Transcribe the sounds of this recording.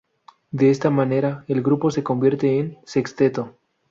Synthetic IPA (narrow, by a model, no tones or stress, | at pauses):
d̪eest̪amane̞ɾaelɡɾupo̞se̞ko̞mbje̞ɾt̪eːnsekst̪et̪o